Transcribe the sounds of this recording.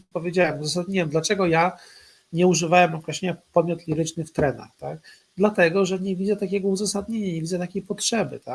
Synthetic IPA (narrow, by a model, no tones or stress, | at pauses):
pɔvʲjed͡ʑawɛmuzasad̪̚ɲʲiwɛmd̪lat͡ʂɛɡɔja | ɲɛuʐɘvawɛmɾɔkɾɛɕeɲapɔd̪mʲjɔt̪lʲiɾɘt͡ʂnɘft̪ɾɛna̰xt̪ak | d̪lat̪ɛɡɔʐɛɲɛvʲid̪zɛt̪akʲɛɡɔuzasad̪̚ɲeɲaɲɛvʲidzɛt̪akʲejpɔtʂɛbɘ̰t̪a